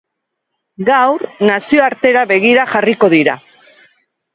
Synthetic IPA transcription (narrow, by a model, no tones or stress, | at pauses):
ɡawɾnasio̞aɾt̪e̞ɾaβe̞ɣ̞iɾaxariko̞ðiɾa